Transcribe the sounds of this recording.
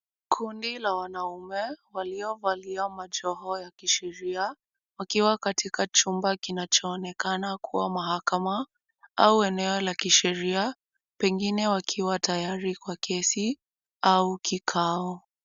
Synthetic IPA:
kʰundilawanaumɛwaliɔvaliamaʄɔhɔjakiʃɛɾia | wakiwakatikat͡ʃumbakinat͡ʃɔːnɛkanakʰuwamaɦakama | auɛnɛɔlakiʃɛɾia | pɛŋɡinɛwakʰiwatajaɾikwakʰɛsi | aukikʰaɔ

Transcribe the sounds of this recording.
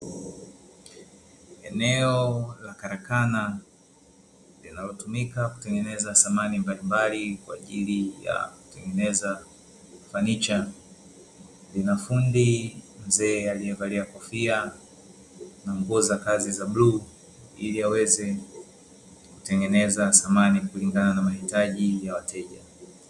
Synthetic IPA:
ɛnɛɔlakaɾakana | linalɔtumikaku̥tɛŋɡɛnɛzasamanimbalimbalikwa̰ːʄilija̰ku̥tɛŋɡɛnɛza | fanit͡ʃa | linafundim̩zɛːaliɛvaliakɔfia | naŋɡuzakazizaɓlu | iliawɛzɛ | ku̥tɛŋɡɛnɛzaθamanikuliŋɡananamahitaʄijawatʰɛʄa

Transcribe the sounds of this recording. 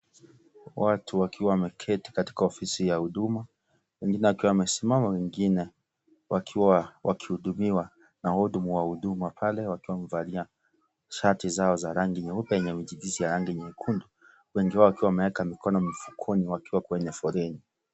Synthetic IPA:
watʰuwakʰiwamɛkʰɛti̥kati̥kaɔfisijahuɗuma | wɛŋɡinɛwakiwawamɛsimamawɛŋɡinɛ | wakʰiwawaki̥huɗumiwa | nahɔɗumuwahuɗumapʰalɛwakiwamvalia | ʃatizaɔzaɾaŋɡiɲɛupɛjɛɲɛmiʄidizijaɾaŋɡiɲɛikʰundu | wɛŋɡiwawakiwamɛɛkamikɔnɔmifu̥kʰɔniwakiwakwɛɲɛfɔɾɛni

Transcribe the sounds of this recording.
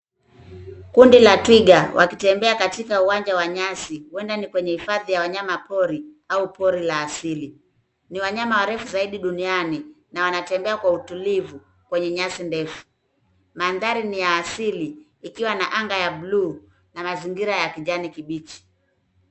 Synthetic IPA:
kundilatwiɡawʔa̰kitɛmbɛakatikauwaɲd͡ʒawaɲasiwɛndanikwɛɲɛhifaðijawaɲamapɔɾi | aupɔɾilaːsili | niwaɲamawaɾɛfuzaiɗiɗuniani | nawanatɛmbɛakwautulivu | kwɛɲɛɲasindɛfu̥ | manðaɾinijaːsiliː | kiwanaʔaŋɡajaɓluː | namaziŋɡiɾajakiʄanikiɓit͡ʃi̥

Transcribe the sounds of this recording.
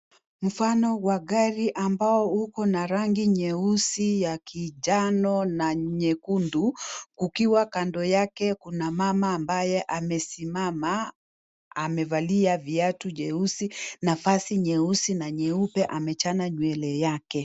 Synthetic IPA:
m̩fanɔwaɠaɾiʔambaɔukɔnaɾaŋɡiɲɛusijakʰiʄanɔnaɲɛkundukukiwakandɔjakɛkunamamaːmbajɛʔamɛsimamaː | mɛvaliaviatuʄɛusinafasiɲɛusinaɲɛupɛʔamɛt͡ʃanaɲwɛlɛjakɛ

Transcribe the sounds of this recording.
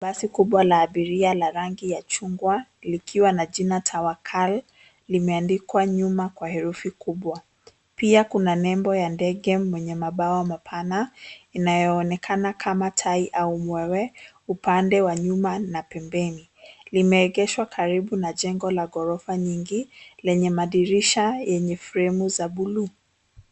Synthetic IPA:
ɓasikuɓwalaːɓiɾialaɾaŋɡijat͡ʃuŋɡwalikʰiwanaʄinatʰawakʰal | limɛandikwaɲumakwahɛɾufikuɓwa | piakunanɛmbɔjandɛɡɛmwɛɲɛmaɓaɔmapʰanainajɔːnɛkʰanakʰamatʰaiʔaumwɛwɛ | upandɛwaɲumanapɛmbɛni | limɛːɠɛʃwakʰaɾiɓunaʄɛŋɡɔlaɠɔɾɔfaɲiŋɡilɛɲɛmaɗiɾiʃajɛɲɛfɾɛmuzaɓulu

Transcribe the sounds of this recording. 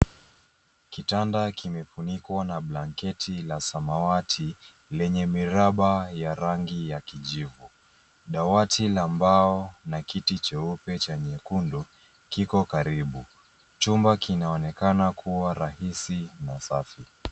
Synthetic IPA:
kitandakimɛfunikwanaɓlaŋkɛtʰilasamawatʰi | lɛɲɛmiɾaɓajaɾaŋɡijakiʄivu | ɗawatʰilambaɔnakitit͡ʃɛupɛt͡ʃaɲɛkundɔ | kikɔkaɾiɓu | t͡ʃumbakinaɔnɛkanakʰuwaɾahisinasafi

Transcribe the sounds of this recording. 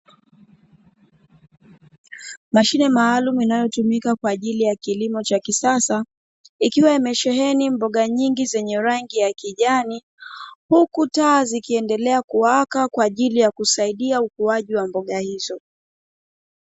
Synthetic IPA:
maʃinɛmaːlumuinajɔtumikakwaːʄilijakilimɔt͡ʃakisasa | ikiwaimɛʃɛɦɛnimbɔɠaɲiŋɡizɛɲɛɾaŋɡijakiʄani | hukutaːzikiɛndɛlɛakuwakakwaːʄilijakusaiɗiaukuaʄiwambɔɠahizɔ

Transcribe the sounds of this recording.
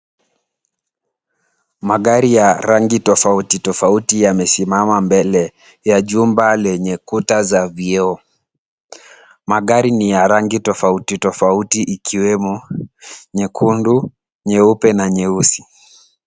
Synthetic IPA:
maɠaɾijaɾaŋɡitɔfautitɔfautijamɛsimamambɛlɛ | jaʄumbalɛɲɛkutazaviɛɔ | maɠaɾinijaɾaŋɡitɔfautitɔfautiʔːkʰiwɛmɔ | ɲɛkʰundu | ɲɛupɛnaɲɛusi̥

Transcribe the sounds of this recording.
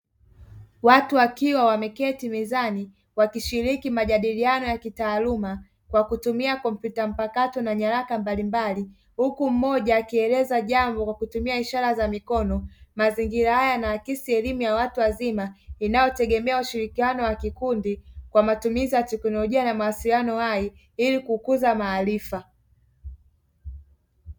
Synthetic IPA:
watuakiwawamɛkɛtimizani | wakiʃiɾikimaʄaɗilianɔjakitaːluma | kwakutumiakɔm̩pjutam̩pakatɔnaɲaɾakambalimbali | hukum̩mɔʄaːkiɛlɛzaʄambɔkwakutumiaiʃaɾazamikɔnɔmaziŋɡiɾahajanaːkisiɛlimujawatuwazimainajɔtɛɠɛmɛauʃiɾikianɔwakikundikwamatumizijatɛknɔlɔʄianamawasilijanɔhai | ilikukuzamaːlifa

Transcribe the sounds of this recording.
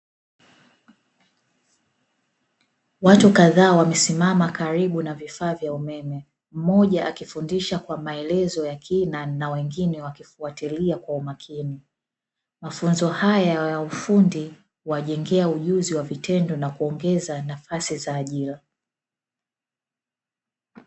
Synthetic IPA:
watukaðaːwamɛsimamakaɾiɓunavifaːvjaumɛmɛ | m̩mɔʄaakifundiʃakwamaɛlɛzɔjakʰinanawɛŋɡinɛwakifuatiliakwaumakʰini | mafunzɔhajajaufundi | waʄɛŋɡɛauʄuziwavitɛndɔnakuɔŋɡɛzanafasizaːʄila

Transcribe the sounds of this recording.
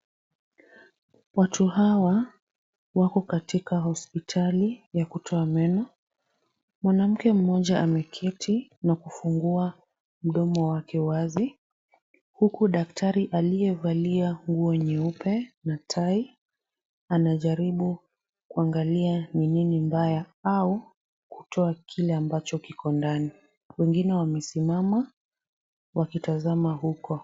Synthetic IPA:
watʰuhawa | wakɔkatikahɔspitʰalijakutʰɔamɛnɔ | mwanam̩kɛm̩mɔʄaʔamɛkʰɛtʰinakufuŋɡua | m̩ɗɔmɔwakɛwazi | hukuɗaktʰaɾiʔalijɛvaliaŋɡuɔɲɛupɛnatʰai | anaʄaɾiɓu | kuaŋɡalianininimbajaau | ku̥tʰɔakʰilɛambat͡ʃɔkikɔndani | wɛŋɡinɛwamɛsimama | wakitazamaɦukɔ

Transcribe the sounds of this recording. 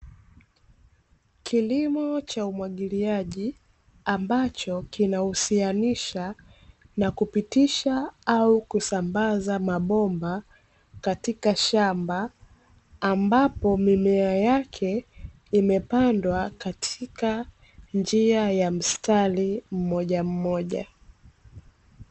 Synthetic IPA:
kʰilimɔt͡ʃaumwaɠiliaʄi | ambat͡ʃɔkinahusianiʃa | nakupitiʃaaukusambazamaɓɔmba | katikaʃambaː | mbapɔmimɛajakʰɛ | imɛpandwakatʰika | nd͡ʒiajam̩stalim̩mɔʄam̩mɔʄa̰

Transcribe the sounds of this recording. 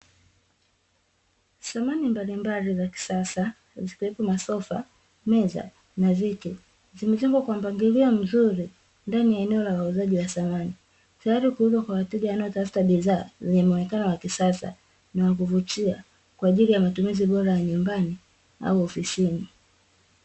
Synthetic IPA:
samanimbalimbalizaki̥sasa | zikiwɛpɔmasɔfa̰ | mɛza̰ | navikɛ | zimɛd͡ʒɔŋɡwakwam̩baŋɡiliɔm̩zuɾi | ndanijaɛnɛɔlawauzaʄiwaθamani | tajaɾikuhuzwakwawatiɡajanaɔtafu̥taɓiðaːzɛɲɛmɔnɛkanɔwakisasa̰ | nawakuvut͡ʃia | kwaːʄilijamatumiziɓɔɾajaɲumbani | a̰uɔfisini

